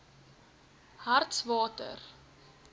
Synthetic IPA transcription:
hɐrtsvɑːtə̰r

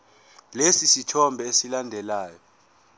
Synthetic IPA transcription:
lesisitʰɔmbʱɛesilandʱɛlaːjɔ

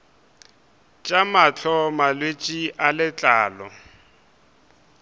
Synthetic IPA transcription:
t͡ʃʼamat͡ɬʰɔmalwet͡ʃʼiʔalɪt͡ɬʼaːlɔ̰

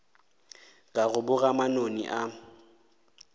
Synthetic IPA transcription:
kʼaɣʊbʊɣamanonḭʔa

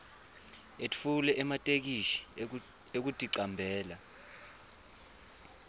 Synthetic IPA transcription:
etʰʼi̥fulɛʔɛmatʼek̬iʃi̥ | ek̬utʼiǀambʱɛːla

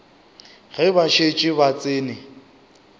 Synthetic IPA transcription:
ɣɛbaʃet͡ʃʼɪbat͡sʼɪːnɪ

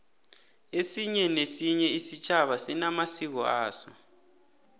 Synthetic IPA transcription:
esiɲɛnesiɲɛisit͡ʃʰʼaβasinamasik̬ɔ̰a̰ːsɔ

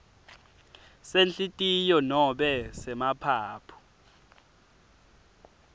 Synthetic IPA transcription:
sent͡ɬʼitʼijɔnɔɓɛsɛmapʰaːpʰu̥

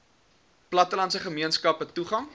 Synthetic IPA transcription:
plɐtəlɐntsəχəmiənskɐpətuχɐŋ

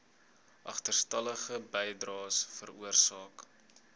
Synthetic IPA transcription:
ʔɐ̰χtərstɐləχəbɛjdrɑːsfəruərsɑːk

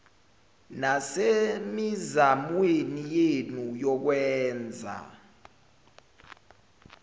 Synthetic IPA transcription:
nasemizamwenijenujɔk̬wɛːnd͡zʱa̰

